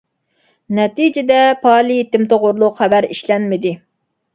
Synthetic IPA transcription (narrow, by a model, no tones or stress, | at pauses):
nɛt̪id͡ʒɪd̪ɛpʰɑːlˠit̪ɪmt̪oʁʊɾlˠʊqχæbæɾḭʃlɛnmɪd̪ɪ